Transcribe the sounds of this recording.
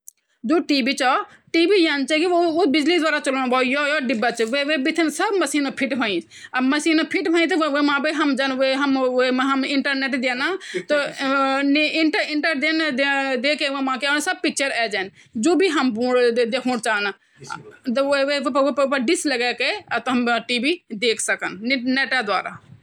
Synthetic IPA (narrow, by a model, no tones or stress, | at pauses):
d͡ʒoːʈiːbit͡ʃɔ | ʈiːbiːjaːnt͡ʃɛkioʊbɪd͡ʒlid̪ʋaːɾat͡ʃɐloːnbɔːjɔjɔːɖɪbːat͡ʃʋeʋebɪt̪ʰinsɐbmɐsiːnopʰiʈbãĩ | ɐbmɐsiːnopʰiʈbʱãːĩt̪ʋʋemãːbiɦɐmd͡ʒanʋeɦɐmɦɐmɪɳʈəɾneʈd̪eːnat̪o | niɳʈəɾiɳʈəɾd̪end̪ed̪ekeʋemãkeansəb̚pik̚t͡ʃʰəɾɛd͡ʒan | d͡ʒobʱiɦɐmbũɽd̪ekʰũɽt͡ʃaːna | t̪ʋepepəpəɖisləɡɛkeat̪ɔɦɐmʈibid̪eːkʰsəkənneʈad̪wa̰ːɾa̰